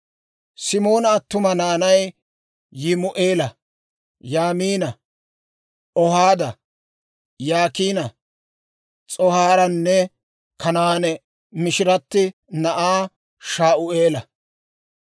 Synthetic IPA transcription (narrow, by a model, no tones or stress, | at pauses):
sɪmo̞ːnɐːt̪ːʊmɐnaːnɐj | jɪmʊʔeːlɐ | jaːmiːnɐ | ɔhaːd̪ɐ | jaːkiːnɐ | t͡sʼɔhaːɾɐnːɛ | kɐnaːnɛ | mɪʃɪɾɐt̪ːɪ | nɐʔaː | ʃaːʔʊʔe̞ːlɐ̰